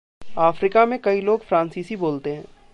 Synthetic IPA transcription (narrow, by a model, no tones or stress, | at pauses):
aːfɾiːkamẽkɐiloːɡfɾãːnsiːsiboːlt̪eɦɛ̃ː